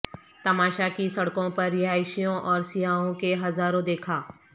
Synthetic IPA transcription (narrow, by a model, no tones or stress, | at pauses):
t̪ɐmaːʃakisɐɽkõpɐɾːɪɦaːɪʃijõʔɔːɾsɪɦaːɦõkeɦɐzaːɾõd̪eːkʰaː